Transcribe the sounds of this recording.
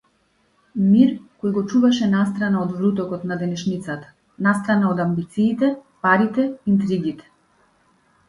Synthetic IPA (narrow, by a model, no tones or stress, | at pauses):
miɾkɔjɡɔt͡ʃuvaʃɛnast̪ɾanaɔd̪vɾut̪ɔkɔt̪nad̪ɛnɛʃnit̪sat̪ḁ | nast̪ɾanaɔd̪ambit̪siːt̪ɛpaɾit̪ɛint̪ɾiɡit̪ɛ̥